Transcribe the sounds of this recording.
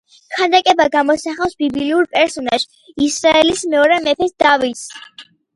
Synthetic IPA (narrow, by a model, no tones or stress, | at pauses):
kʰand̪akʼɛbaɡamɔsaχafsbibliliuɾpʼɛɾsɔnaʒ | isɾaɛlismɛɔɾɛmɛpʰɛsd̪̥avis